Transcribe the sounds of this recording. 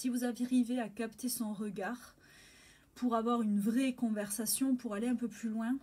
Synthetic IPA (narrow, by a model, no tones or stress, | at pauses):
sivuzavaʁiveakapt̪esɔ̃ʁəɡaʁ | pʰuʁavwaʁynvʁɛkɔ̃vɛʁsasjɔ̃puʁaleɛ̃pøplylwɛ̃